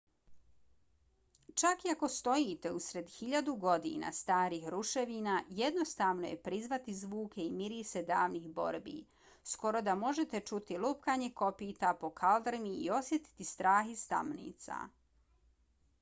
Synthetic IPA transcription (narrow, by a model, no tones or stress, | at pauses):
t͡ʃakiako̞st̪o̞jit̪e̞usɾe̞d̪xiʎad̪uɡo̞d̪ḭːna̰st̪aːɾiːxɾuʃe̞ʋinaje̞d̪no̞st̪aːʋno̞je̞̰pɾizʋat̪izʋuːke̞imiɾise̞d̪aːʋnixbo̞̰ɾbḭː | sko̞ɾo̞d̪amo̞ʒe̞t̪e̞t͡ʃut̪iluːpkaːɲe̞ko̞piːt̪apo̞kʰald̪ɾimiːo̞sje̞t̪i̥t̪ist̪ɾaːxist̪a̰mnḭːt̪sa̰